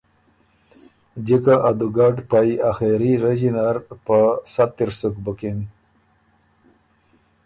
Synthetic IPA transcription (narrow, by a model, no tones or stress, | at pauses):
d͡ʑikaʔad̪uɡɑːɖpajaxeɾiɾed͡ʒinaɾpəsat̪ːiɾsukbukin